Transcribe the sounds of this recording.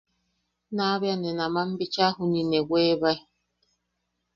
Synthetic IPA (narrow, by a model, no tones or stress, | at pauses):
naβjanɛnamam̩bit͡ʃaɦunineɡʷeβaj